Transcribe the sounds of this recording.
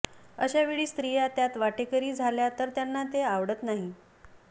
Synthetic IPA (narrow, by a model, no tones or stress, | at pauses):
əɕaʋiɭiːst̪ɾijat̪jat̪ʋaʈekəɾiːd͡zʱaljat̪əɾt̪janːat̪eaʋɽət̪naɦi